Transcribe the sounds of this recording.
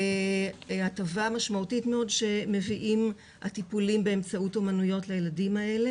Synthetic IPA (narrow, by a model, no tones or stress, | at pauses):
e | atavamaʃmautitme̞o̞dʃe̞me̞viʔim | ha̰tipulimbe̞ːmt͡sauto̞manujo̞tlejeladimae̞le̞